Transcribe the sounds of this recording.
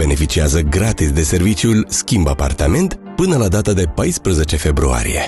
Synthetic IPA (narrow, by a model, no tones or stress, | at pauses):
be̞ne̞fit͡ʃiazəɡɾat̪isd̪e̞se̞rvit͡ʃiulskʲimbapa̰rt̪ame̞nt̪ | pɨnəlad̪at̪əd̪e̞pajspɾəze̞t͡ʃe̞fe̞bɾua̰ɾḭje̞̰